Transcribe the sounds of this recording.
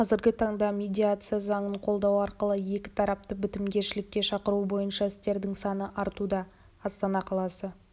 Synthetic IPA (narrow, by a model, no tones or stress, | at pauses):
qʰɑzɪɾɡʲɪt̪ʰɑɴd̪ɑmʲe̞d̪ʲijat̪sɨjazɑɴəɴqʰo̞lˠd̪ɑwɑɾqəlˠəje̞kʲɪ̥t̪ʰɑɾɑp̚t̪əbɪt̪ɪmɡʲe̞ʃɪlɪkʲːe̞ʃɑqəɾubo̞jənʃɑɪst̪e̞ɾd̪ɪŋsɑnəʔɑɾt̪ud̪ɑː | st̪ɑnɑqʰɑlˠɑsə